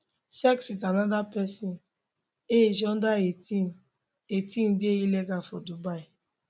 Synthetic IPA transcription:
sɛkswitanadapɛsin | ed͡ʒɔn̩daeti | etin̩dɪejileɡafɔdubaɪ

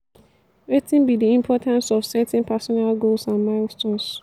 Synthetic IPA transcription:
ɹetɪ̃nbidiĩmpʰɔtʰãnsɔfsɛtɛ̃npʰɛsɔnalɡolsãnmaɪlstɔ̃ns

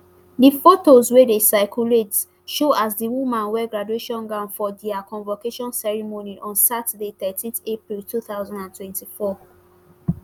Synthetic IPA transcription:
difotozwedesaɪkʰjulet | ʃoʔasdiwumãnwɛɡɹadueʃɔ̃nɡãʊ̃nfɔdiakʰɔ̃nvokeʃɔ̃nsɛɹimoniʔɔ̃nsatədeθɛtʰĩnθepɹiltuθaʊzãndãntʰwɛ̃ntifɔ

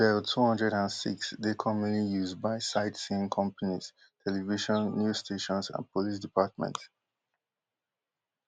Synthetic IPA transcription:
ɛltʰuhʌ̃ndɹɛɾãnsḭksdekʰɔmə̃nlijuzbaɪsaɪtsĩnkʰʌ̃mpaniz̥ | tʰɛliviʃɔ̃nːjusstʰeʃɔ̃nzã̰npʰɔlis̬dipʰat̚mɛ̰̃nt

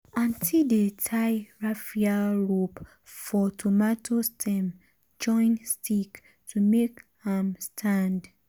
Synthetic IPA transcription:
ãntʰildetʰaɪɹafiaɹop | fɔtʰomatʰostʰɛ̃m | d͡ʒɔ̃ɪ̃nstʰik | tʰumekhamstʰãnd

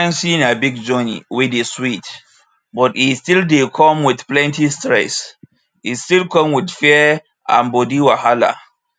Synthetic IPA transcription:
ãnsinabiɡ̚d͡ʒɔnḭwideswit | bɔtistildekʰɔ̃mwɪθplɛ̃ntistɹɛ̰s | istilkʰɔ̃mwɪdfiɛɛ | ã̰nbodiwahala̰

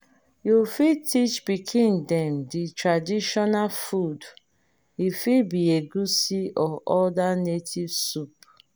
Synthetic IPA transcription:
jufitʰit͡ʃbikʰĩndɛm̩ditɾadiʃɔnalfud | ifibieɡusiɔʔɔdanetʰivsup̚

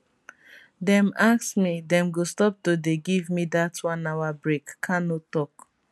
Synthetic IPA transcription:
dɛ̃maksmidɛ̃mɡostɔp̚todeɡivmidatʰwɔ̃nawabɹekːʰãnotɔk

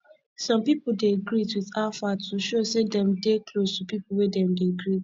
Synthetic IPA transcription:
sɔ̃mpipudeɡɾitwiðafatuʃosedɛ̃mdeklostupipuwedɛ̃mdeɡɾi

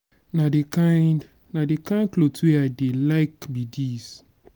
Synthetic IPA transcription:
nadekãn | nadekãɪ̃nkloteadelaɪkbidis

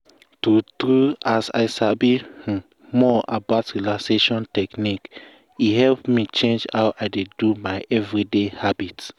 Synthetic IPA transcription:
tutɾuasa̰ɪsabih̩ | mɔa̰baʊtɹilakseʃɔ̃ntɛknik | ihɛlpmit͡ʃẽnd͡ʒhawʔaɪdedumaɪʔɛvɹidehabit

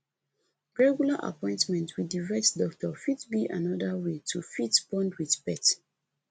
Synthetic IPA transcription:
ɹɛɡjulaʔa̰pɔ̃ɪ̃ntmɛ̃ntʰwidiɹɛtdɔk̚tʰɔfidbiʔanɔdawetʰufitbɔ̃ndwiðbɛt

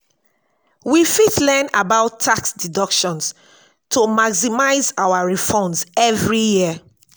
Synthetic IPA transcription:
wifitlɛnabaʊtʰːaksdidɔkʃɔ̃ns | tʰomaɡsimaɪzawaɹifɔ̃nzɛvɹijiə

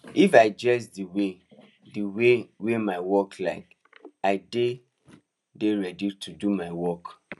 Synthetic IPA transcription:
ifaɪd͡ʒɛsdiwe | diwewemaɪwɔklaɪk | aɪde | deɹɛditʰudumaɪwɔk

